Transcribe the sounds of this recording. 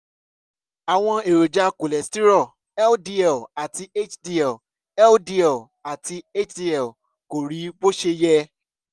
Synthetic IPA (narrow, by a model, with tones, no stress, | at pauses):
a˨w̃ɔ̃˧e˨ɾo˨d͡ʒa˧˦ko˨lɛ˨sti˦ɾɔ˦˨ | ɛ˦ldi˧ɛ˨a˨ti˧e˦t͡ʃdi˧ɛ˨ | ɛ˦ldi˧ɛ˨ | a˨ti˧e˦t͡ʃdi˦ɛ˨ | ko˨ɾi˨˦bo˦ʃe˧jɛ˧